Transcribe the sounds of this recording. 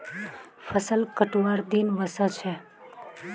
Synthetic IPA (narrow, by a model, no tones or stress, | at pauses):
fəsəlkəʈuʋaɾd̪inʋəsət͡ʃʰe